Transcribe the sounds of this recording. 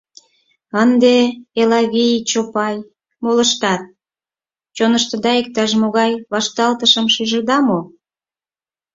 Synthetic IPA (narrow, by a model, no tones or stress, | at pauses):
ənd̪eelɑɣijt͡ɕopɑj | moləʃt̪ɑt̪̚ | t͡ɕonəʃt̪ə̆d̪ɑek̚t̪ɑʃmoɣɑjβɑʃt̪ɑlt̪əʃəmʃyʒəd̪ɑmo